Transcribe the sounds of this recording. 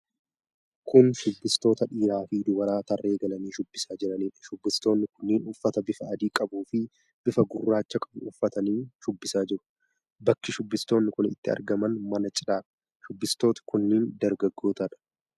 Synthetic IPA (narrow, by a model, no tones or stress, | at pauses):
kʊnʃʊbːɪst̪o̞ːt̪ɐᶑiːɾaːfiːd̪ʊwɐɾaːt̪ɐrːe̞ːɡɐlɐniːʃʊbːɪsaːd͡ʒɪɾɐniːᶑɐ̥ʃʊbːɪst̪o̞ːnːɪkʊnːɪːnʊfːɐt̪ɐbɪfɐɐd̪iːkʼɐbuːfɪ | b̥ɪfɐɡʊrːaːt͡ʃːɐkʼɐ̥bʊʊfːɐt̪ɐniːʃʊbːɪsaːd͡ʒɪɾʊ̥ | bɐkːɪʃʊbːɪst̪o̞ːnːɪkʊnɪt̪ːɪɐ̰ɾɡɐmɐnmɐnɐt͡ʃʼɪᶑaːᶑɐ̥ | ʃʊbːɪst̪oːt̪ɐ̥kʊnːɪːnd̪ɐɾɡɐɡːoːt̪ɐᶑɐ̥